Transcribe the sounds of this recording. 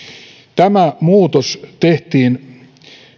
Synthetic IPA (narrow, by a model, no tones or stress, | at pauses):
t̪æmæmuːt̪ost̪eht̪iːn